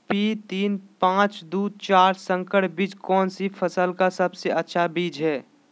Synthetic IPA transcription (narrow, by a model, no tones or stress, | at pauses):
pit̪iːnpãːt͡ʃd̪uːd̪̚t͡ʃaːɾsə̃ŋkəʈbid͡ʒkɔːnsipʰəsəlkasəbseətːʃʰabiːd͡ʒɦɛː